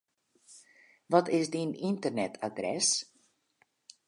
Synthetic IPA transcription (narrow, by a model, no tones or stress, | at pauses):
ʋɔtɪsdinintərnɛtʰadrɛs